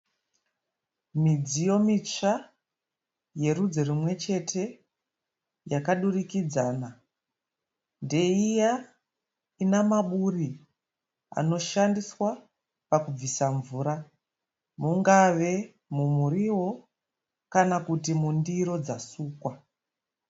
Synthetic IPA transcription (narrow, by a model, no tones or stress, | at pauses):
mid͡zijo̞mit͡ʃa | je̞rud͡zo̞rimwe̞t͡ʃe̞tʰe̞ | jakaɗurikid͡zaːna | nde̞ija | inamaɓuri | a̰no̞ʃandiswa | pakub͡visaɱvuːɾa | muŋɡaʋe̞ | mumuɾiwo̞ | kanakutimundiɾo̞d͡zasuːkwa